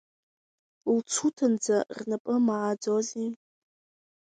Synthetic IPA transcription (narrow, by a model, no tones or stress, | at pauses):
lt͡sʰutʰɨnd͡zarnapʼɨmaʕad͡zozi